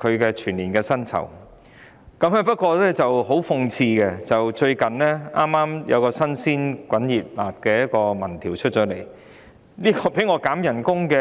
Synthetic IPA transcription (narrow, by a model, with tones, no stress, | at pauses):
kʰɵ˨˧ɥkɛː˧t͡ʃʰyː˨˩nliː˨˩nkɛː˧sɐ˥nt͡sʰɐ̰˨˩w | kɐ˨˥mhɐ˨˧pɐ˥t̚kʷɔː˧lɛː˥t͡sɐ˨who˨˥wfʊ˧ŋt͡sʰiː˧kɛ˧t͡sɐ˨wt͡ʃɵ˧ɥkɐ˨˩nlɛ˥ʔaː˥mːaː˥mjɐ̰˨˧wkɔː˧sɐ˥nsiː˥nkʷwɐ˨˥njiː˨˩p̚la̰ː˨t̚kɛː˧jɐ˥t̚kɔː˧mɐ˨˩nt̪ʰiː˨˩wt͡ʃʰɵ˥t̚t͡ʃɔː˨˥le˨˩j | niː˥kɔː˧pe˨˥jŋɔː˧kaː˨˥mjɐ˨˩nkʊ˥ŋkɛː˧